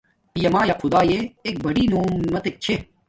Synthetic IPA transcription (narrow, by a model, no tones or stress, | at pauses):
pijɐmaːjaːqʰʊd̪aːjeek̚bɐɽiːnoːmːɐt̪ek̚t͡ɕʰe